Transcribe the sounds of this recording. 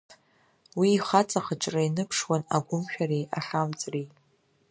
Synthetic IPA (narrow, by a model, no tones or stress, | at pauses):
wiːχat͡sʼaχəʈ͡ʂʼrainɨpʰʂwanaɡʷʊmʃᶣaɾejʔaχamt͡sʼri